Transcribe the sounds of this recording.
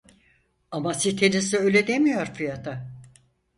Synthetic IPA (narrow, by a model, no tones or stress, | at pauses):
amasit̪ʰenisiø̞jlʲed̪e̞mijo̞ɾfijat̪ʰa